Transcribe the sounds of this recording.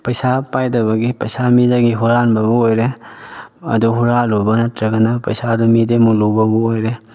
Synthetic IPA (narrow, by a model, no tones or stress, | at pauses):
pɐjsapajdɐβɐɡipɐjsamidaɡiɦuɾanbɐbuojɾe | ɐ̰duɦuɾalubɐnɐtʰɾɐɡɐnapɐjsadumidemulubɐbuojɾe